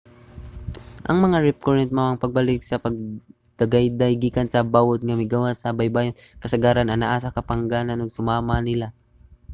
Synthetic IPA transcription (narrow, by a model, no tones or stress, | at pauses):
ʔɐŋmɐŋaɹɪp̚koɹɛnt̪̚moɐŋpɐɡ̚balɪk̚sɐpɐɡ̚ | d̪̥ɐɡajd̪ajɡiːkansɐbawot̪̚ŋɐmɪɡawasɐbajbaːjokɐsɐɡaːɾanɐnaʔaːs̬akɐpɐŋɡaːnanoɡ̚sʊmaːmanɪla